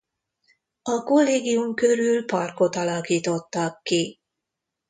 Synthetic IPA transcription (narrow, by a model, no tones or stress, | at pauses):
ɒko̞lːeːɡijumkø̞ɾylpɒrko̞t̪ɒlɒkiːt̪o̞t̪ːɑkːi